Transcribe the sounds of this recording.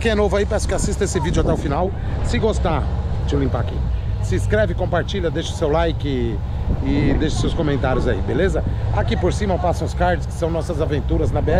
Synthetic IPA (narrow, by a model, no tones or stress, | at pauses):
kẽj̃ɛnovʊaipɛsʊ̥kɪasist̪ɐesɪvid͡ʒʊat̪ɛʊfinaw | sɪɡost̪a | d͡ʒɪʊlĩmpakḛ̃sɪskɾɛvɪkõmpaɾt͡ʃiʎɐd̪eʃʊ̥sewlajkɪ | ɪd̪eʃʊ̥sewskõmẽnt̪aɾjʊzaḭbelezɐakipoɾsĩmɐpasɐ̃w̃ʊskaɾd͡ʒɪskɪ̥sɐ̃w̃nɔsɐzavẽnt̪uɾɐznɐbeɛ